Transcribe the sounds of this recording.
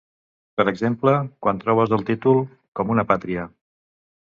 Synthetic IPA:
pəɾəɡzempləkwant̪ɾɔβəzðəlˠt̪it̪ulˠ | kɔmunəpat̪ɾiə

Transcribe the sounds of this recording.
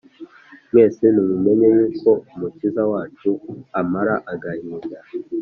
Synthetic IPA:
mweːsinimume̞ɲejeko̞umucizawaːt͡ʃuamaɾaʔaɡahiːnda

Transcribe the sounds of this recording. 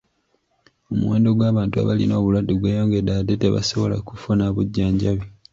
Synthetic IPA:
omṵweːndo̞ɡwaːβaːntua̰βalino̞ːβulwadːiɡweːjo̞ːŋɡe̞dadeteβa̰soβo̞la̰kufunaβuɟːaːɲɟaβi

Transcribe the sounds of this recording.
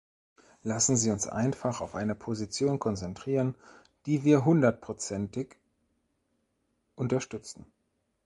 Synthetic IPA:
lasn̩ziːʊnsʔa̰ɪnfaχaʊfʔaɪnəpʰozit͡sjoːnkʰɔnt͡sɛntʁ̥iːʁən | d̥iːviːɐɦʊndɐt̚pʁ̥ot͡sɛntɪk | ʔʊntɐʃtʏt͡sn̩

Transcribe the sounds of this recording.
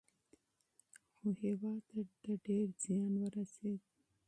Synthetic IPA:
xohewɑːt̪ad̪aɖeɾz̥ijɑːnwəɾased̪

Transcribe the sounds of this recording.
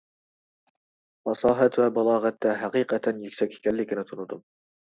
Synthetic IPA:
fɑsˤɑːɦæt̪wæbɑlˠɑːʁɑt̪ːæɦæqiːqɑt̪ʰænjykʲsɛkʲɪ̥kʲʰælːɪkʲɪnɪt̪ʰʊnʊd̪ʊm

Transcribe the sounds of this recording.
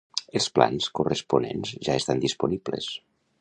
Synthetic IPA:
elˠspla̰nskurespunenzʒaest̪and̪isponiblḛs

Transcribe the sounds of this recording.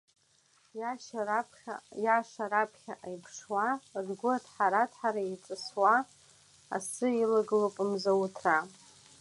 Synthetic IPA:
pʲjaʂaɾapʰχʲaʔajpʰʂwarɡʷʊatʰħaɾatʰħaɾait͡sʼɨswaː | sɨilaɡlopʼmzawutʰra

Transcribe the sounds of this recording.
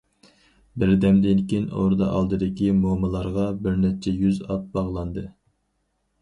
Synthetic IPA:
bɪɾd̪ɛmd̪ɪnkʲeno̰ɾd̪ɑʔɑlˠd̪ɨd̪ɪkʲimomɨlˠɑɾʁɑbɪɾnɛt͡ʃʰɛjyzɑt̪̚bɑʁlˠɑnd̪ɨ

